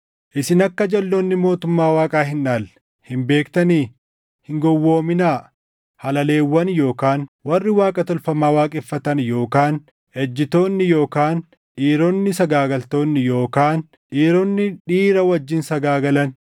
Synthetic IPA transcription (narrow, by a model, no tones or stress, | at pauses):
ʔɪsɪnɐkːɐd͡ʒɐlːoːnːɪmo̞ːt̪ʊmːaːwaːkʼaːɦɪnʔaːl | hɪmbe̞ːkt̪ɐniː | hɪŋɡɔwːo̞ːmɪnaː | hɐlɐle̞ːwːɐnjo̞ːkaːnwɐrːɪwaːkʼɐt̪ɔlfɐmaːwaːkʼɛfːɐt̪ɐnjo̞ːkaːn | ɛd͡ʒːɪt̪o̞ːnːɪjo̞ːkaːn | ᶑiːɾonːɪsɐɡaːɡɐlt̪o̞ːnːɪjo̞ːkaːn | ᶑiːɾɔnːɪᶑiːɾɐwɐd͡ʒːɪnsɐɡaːɡɐlɐn